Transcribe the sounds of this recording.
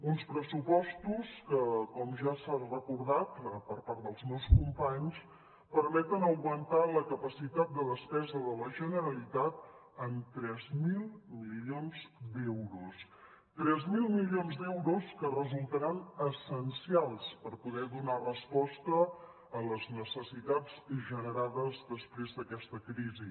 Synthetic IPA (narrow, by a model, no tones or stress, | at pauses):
unspɾəsupɔst̪uskəkɔmʒasanrəkuɾð̞at̪əpəɾpaɾt̪d̪əlˠzmɛwskumpaɲs | pəɾmɛt̪ənəwɣmənt̪aləkəpəsit̪at̪̚d̪əðəspɛzəðələʒənəɾəlit̪at̪̚ | ənt̪ɾɛzmilˠmilionzd̪ɛwɾus | t̪ɾɛzmilˠmilionzd̪ɛwɾuskərəzulˠt̪əɾanəsənsialˠspəɾpuðɛðunarəspɔst̪əː | ləznəsəsit̪ad͡zʒənəɾaðəzðəspɾezðəkɛst̪əkɾizi